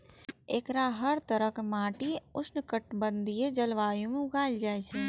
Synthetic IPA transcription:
eːkɾaɦəɾt̪əɾəkmaːʈiʊsnkəʈbə̃nd̪ʱied͡ʒɐlʋaːjõmẽʊɡaːɪld͡ʒaːet͡ʃʰɛ

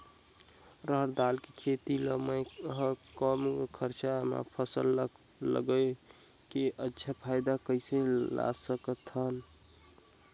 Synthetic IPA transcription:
ɾəɦɾd̪alkekʰet̪iləməjɦə̃kəmkʰəɾt͡ʃama̰pʰəsəllə̰ɡə | keʔətːʃʰapʰajd̪akəɪsela̰səkət̪ʰən

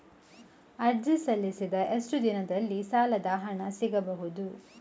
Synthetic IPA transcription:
ɐɾd͡ʒisɐlːisid̪ɐʔesʈud̪inɐd̪ɐlːisaːlɐd̪aːɦɐɳɐsiɡɐbɐɦud̪u

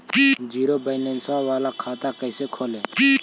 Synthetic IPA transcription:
d͡ʒiːɾoːbəɪlẽːnsʋaːʋaːlaːkʰaːt̪aːkəɪseːkʰoːleː

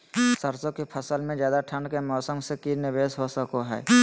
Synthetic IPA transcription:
səɾsõkepʰəsəlmẽd͡ʒjaːd̪aʈʰəɳɖkemɔːsə̃ŋɡsekinɪʋeːsɦosəkoɦɛ̰ː

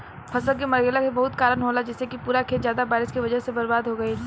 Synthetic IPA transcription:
pʰɐsəlkimɐɾɡeːlakebɐɦʊt̪kaːɾənɦoːlad͡ʒɛːsekipuːɾakʰeːt̪zjaːd̪abaːɾɪskiʋɐd͡ʒəɦsebɐɾbaːd̪ɦoɡɐi

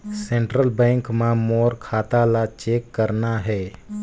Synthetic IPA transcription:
sɛ̃ɳʈɾəlbɛ̃ːŋkmãmɔːɾkʰaːt̪alat͡ʃeːkːəɾnaɦɛː

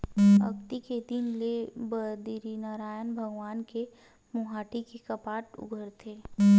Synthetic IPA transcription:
ɐ̰kt̪iked̪ɪnlebəd̪iɾinaːɾaːjənbʱəɡʋaːnke | mʊɦaːʈikekɐpaːʈʊ̰ɡʱəɾt̪ʰeː

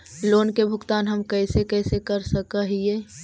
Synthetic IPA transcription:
loːnkebʱʊkt̪aːnɦɐmkɛːsekɛːsekəɾsəkaɦieː

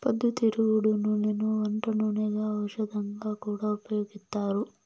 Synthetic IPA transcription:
pɐd̪ːut̪iɾuʋuɽununenuɔɳʈɐnuneɡɐːʋɐʃɐd̪ɐŋɡakuːɽaupɐjoːɡist̪ːaːɾu

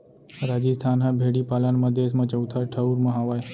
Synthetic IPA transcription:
ɾaːd͡ʒiːst̪ʰaːnɦãbʱeːɽiːpaːlaːnməd̪ʱes̬mãːt͡ʃəut̪ʰaːʈʰəuɾməɦaːʋaːj

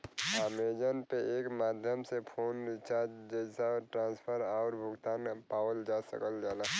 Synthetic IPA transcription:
aːmed͡ʒənpeeːkmaːd̪ʱjəmsepʰoːnɾɪt͡ʃad͡ʒəsaʈɾãːnspʰəɾaʊɾbʱʊɡt̪aːnpaːwəld͡ʒasə̰kəld͡ʒaːla

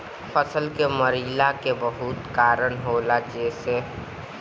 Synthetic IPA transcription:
fʰəsəlkeməɾiːlakebəɦʊt̪kaːɾəɳɦoːlad͡ʒeːse

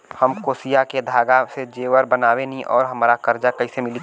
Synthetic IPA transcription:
həmkoːsijaked̪ʱaːɡased͡ʒeːʋəɾbənaːwenĩʔɔːɾɦɐmːɾakɐɾd͡ʒakɐɦisemɪli

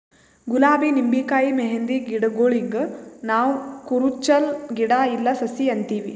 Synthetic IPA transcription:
ɡulaːbinimbikaːimeɦend̪iɡiɽɐɡoːɭiɡɐnaːʋukuɾut͡ʃːɐlɡiɽailːɐsɐsiɐnt̪iːʋi

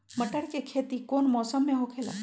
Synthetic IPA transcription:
mɐʈəɽkekʰeːt̪ikoːnmɔːsəmːẽɦokʰeːla̰ː

